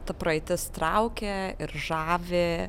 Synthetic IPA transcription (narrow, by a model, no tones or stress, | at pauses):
t̪ɐpɾɐɪt̪ʲɪst̪ɾɐʊkʲeɪɾʒɑːʋʲɪ